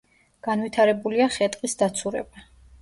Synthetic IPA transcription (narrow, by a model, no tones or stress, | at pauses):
ɡ̥anwit̪ʰaɾɛbuliaχɛt̪ʼqʼisd̪at̪sʰuɾɛ̰ba